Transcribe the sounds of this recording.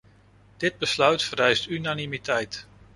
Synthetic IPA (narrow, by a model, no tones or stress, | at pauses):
d̥ɪd̚bəslœɥtfəɾɛjstynanimitɛjt